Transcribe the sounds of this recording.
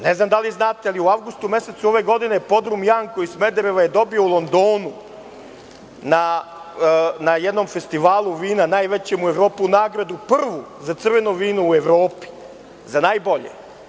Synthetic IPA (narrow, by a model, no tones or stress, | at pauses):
neznamd̪aliznaːt̪ealiuaʋɡust̪ume̞set̪suo̞ʋeɡo̞d̪inepo̞d̪ɾumjaŋkoisme̞d̪eɾeʋaje̞d̪o̞bioulˠo̞nd̪oːnu | na | najed̪no̞mfe̞st̪iʋaːlˠuʋiːnanaːjʋe̞t͡ɕemue̞ʋɾo̞ːpuunaːɡɾad̪upr̩ʋuzat̪sr̩ʋe̞nuʋiːnuueʋɾo̞ːpi̥ | zanaːjbo̞ʎḛ